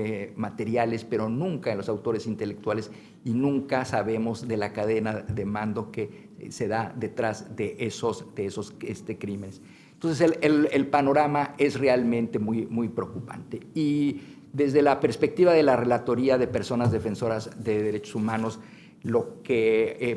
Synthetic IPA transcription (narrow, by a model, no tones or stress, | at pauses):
mat̪e̞ɾjale̞spe̞ɾo̞nũŋkaenlo̞sawt̪o̞ɾe̞sint̪e̞le̞k̚t̪wale̞s | inũŋkasaβe̞mo̞zðe̞lakaðe̞naðe̞mãnd̪o̞ke̞ | se̞ðaðe̞t̪ɾazðeʔesosd̪eeso̞sest̪ekɾimenes | nt̪onseseelelpano̞ɾamae̞zre̞almẽnt̪e̞mujmujpɾeokupa̰nt̪e̞i | ðe̞zðe̞lape̞ɾspe̞k̚t̪iβaðe̞lare̞lat̪o̞ɾiaðe̞pe̞ɾso̞nazðe̞fe̞nso̞ɾazðe̞ðe̞ɾe̞t͡ʃosumãno̞s | lo̞ke